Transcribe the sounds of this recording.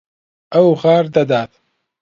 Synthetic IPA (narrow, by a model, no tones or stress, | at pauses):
ɐwɣaːɾd̪ɐd̪aːt̪